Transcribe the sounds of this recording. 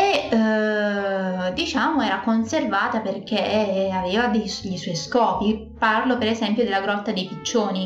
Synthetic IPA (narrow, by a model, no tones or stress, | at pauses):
e | d̪it͡ʃaːmoɛːɾakonservaːt̪aperk̟eaveːvad̪eʎisɔjskɔːpi | parlopeɾezɛmpjod̪elːaɡɾɔt̪ːad̪ejpit͡ʃːoːni